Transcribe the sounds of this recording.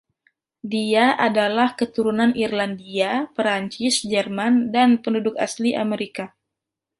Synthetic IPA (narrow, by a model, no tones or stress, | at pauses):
diaʔadalahkət̪uɾunanʔirlandiapɾaɲt͡ʃɪsd͡ʒɛrmandanpəndudʊka̰sliʔa̰meɾika